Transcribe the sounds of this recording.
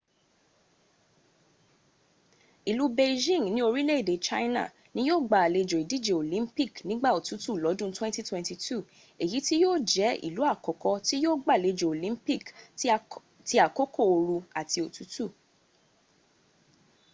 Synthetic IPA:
i˨lu˨˦be˧d͡ʒĩ˦˨ŋnĩ˦o˧ɾi˦le˦i˨de˨˦t͡ʃa˦ina̰˦˨ | nĩ˦joː˦˨ɡ͡ba˨le˧d͡ʒo˨i˨di˦d͡ʒe˨o˨lĩ˨˦mpi˦˨knĩ˦ɡ͡ba˦˨o˨tu˨˦tu˦˨lɔ˨˦dũ˦twɛ̃˦nti˦twɛ̃˧nti˧˨tu˦˨ | e˨ji˨˦ti˦joː˦˨d͡ʒɛ˨˦ḭ˨lu˨˦a˦˨kɔ˨kɔ˧ti˦joː˦˨ɡ͡ba˦˨le˧d͡ʒo˨o˨lĩ˨˦mpi˦k | ti˦a˨ko˦ko˦˨o˧ɾu˧a˨ti˧o˨tu˨˦tu˦˨

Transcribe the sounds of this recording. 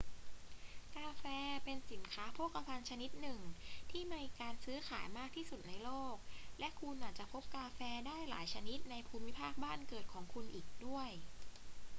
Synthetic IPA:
kaː˧fɛː˧pe˧nsi˨˩˦nkʰaː˦˥pʰoː˥˩ka˧pʰa˧nt͡ɕʰa˧ni˦˥t̪̚nɯ˨˩ŋt̪ʰiː˥˩ma˧jkaː˧nsɯː˦˥xʰaː˩˦jmaː˥˩k̚t̪ʰiː˥˩su˨˩t̪̚na˧jloː˥˩k̚lɛ˦˥ʔkʰu˧nʔaː˨˩t͡ɕa˨˩k̚pʰo˦˥p̚kaː˧fɛː˧daː˥˩jla̰ː˩˦jt͡ɕʰa˧ni˦˥t̪̚na˧jpʰuː˧mi˦˥pʰaː˥˩k̚baː˥˩nkɤː˨˩t̪̚kʰɔː˩˦ŋkʰu˧nʔiː˨˩k̚du˥˩əj

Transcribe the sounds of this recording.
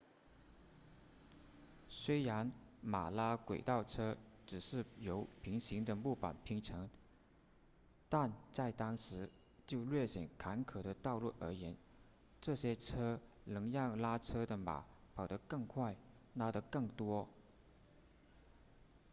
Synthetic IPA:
swe˥ɪɻa˧˥nma˨˩la˥kwe˨˩ɪt̪ɑ˥˩ʊʈ͡ʂʰɤ˥ʈ͡ʂɻ̩˨˩ʂɻ̩˥˩jo˧˥ʊpʰi˧˥ŋɕi˧˥ŋd̪ə˧mu˥˩pa̰˨˩npʰi˧˥ŋʈ͡ʂʰɤ˧˥ŋ | t̪a˥˧nt͡sa˥˩ɪt̪ɑ˥ŋʂɻ̩˧˥ | t͡ɕjo˥˧ʊlɥɛ˥˩ɕjɛ˨˩nkʰa˧˥nkʰɤ˨˩ɾə˦t̪ɑ˥˧ʊlu˥˩ʔə̰˞˧˥jɛ˧˥n | ʈ͡ʂɤ˥˩ɕjɛ˥ʈ͡ʂʰɤ˥ | lɤ˧˥ŋjɑ˥˩ŋla˥ʈ͡ʂʰɤ˥d̪ə˨ma̰˨˩˦pʰɑ˨˩ʊd̪ə˧˦kɤ˥˧ŋkʰwa˥˩ɪ | na˥d̪ə˧kɤ˥˩ŋt̪wɔ˥

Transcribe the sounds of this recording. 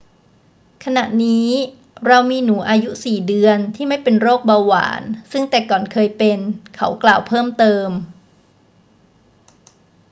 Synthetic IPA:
kʰa˧na˨˩ʔniː˦˥ | ɾa˧wmiː˧nuː˩˦ʔaː˧ju˦˥siː˨˩dɯ˧ənt̪ʰiː˥˩ma˥˩jpe˧nɾoː˥˩k̚baː˧wa̰ː˩˦nsɯ˥˩ŋt̪ɛː˨˩kɔː˨˩nkʰɤː˧jpe˧nkʰa̰˦˥wklaː˨˩wpʰɤː˥˩mt̪ɤː˧m

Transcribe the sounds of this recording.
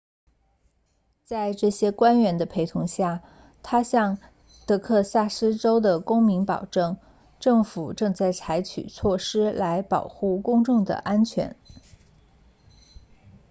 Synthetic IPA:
t͡sa˥˧ɪʈ͡ʂɤ˥˩ɕjɛ˥kwa˥nɥɛ˧˥nd̪ə˧pʰe˧˥ɪt̪ʰʊ˧˥ŋɕja˥˩ | t̪ʰa˥ɕjɑ˥˧ŋ | t̪ɤ˧˥kʰɤ˥˧sa˥˩ʂɹ̩˥ʈ͡ʂo˥ʊd̪ə˨kʊ˥ŋmi˧˥ŋpɑ̰˨˩ʊʈ͡ʂɤ˥˩ŋ | ʈ͡ʂɤ˥˩ŋfu˨˩ʈ͡ʂɤ˥˧ŋt͡sa˥˩ɪt͡sʰa˧˥ɪt͡ɕʰy̰˨˩t͡sʰwɔ˥˩ʂɻ̩˥la˧˥ɪpɑ̰˨˩ʊxu˥˩kʊ˥ŋʈ͡ʂʊ˥˩ŋd̪ə̰˩ʔa˥nt͡ɕʰɥɛ̰˧˥n

